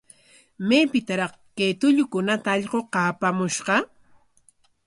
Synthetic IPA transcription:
mepɪt̪aɾɑχ | kejt̪ʊʎʊkʊnat̪aːʎɢoqɑːpamʊʃɢɑ

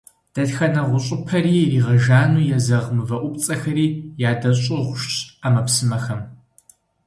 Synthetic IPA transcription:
d̥ɐtxɐnɐʁʷʊɕʼɪpʰɐɾiːriːʁɐʒaːnuːjɛzɐʁmɨvɐʔʷʊp̚ʼt͡sʼɐxɐɾiːjaːdɐɕʼɪʁʷʊʃɕʼaːmɐpsɨmɐxɐm

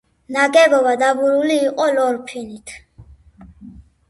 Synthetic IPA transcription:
naɡɛvɔvad̪avuɾuliːqʼɔlɔɾpʰinit̪ʰ

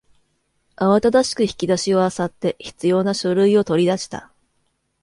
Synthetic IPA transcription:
aβat̪ad̪aɕi̥kɯ̟çʲi̥kʲid̪aɕio̞asat̪ːe̞çi̥t͡sɨjo̞ːnaɕo̞ɾɯ̟io̞t̪o̞ɾʲid̪aɕi̥t̪a̰

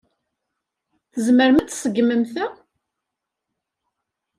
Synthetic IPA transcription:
θəzməɾmæt͡s̪ːsəɡməmθæ

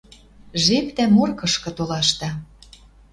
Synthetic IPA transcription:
ʒept̪æmorkɤ̆ʃkɤ̆t̪olɑʃt̪ɑ

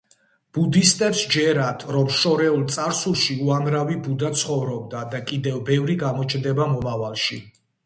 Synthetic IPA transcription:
b̥ud̪ist̪ʼɛpsd͡ʒɛɾat̪ʰɾɔmʃɔɾɛulˠt̪sʼaɾsulˠʃiuamɾavibud̪at̪sʰχɔvɾɔb̚d̪ad̪akʼid̪ɛvbɛvɾiɡamɔt͡ʃʰnd̪ɛbamɔmavalˠʃi

